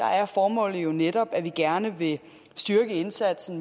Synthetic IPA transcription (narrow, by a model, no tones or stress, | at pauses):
d̥ɑ̈æɐfɒːmɔ̰̽ːlð̩ˠjo̝neɾɒ̽b̥æʋiɡ̥æɐnəʋe̝ | sd̥yɐɡ̥əe̝nsæd̥sn̩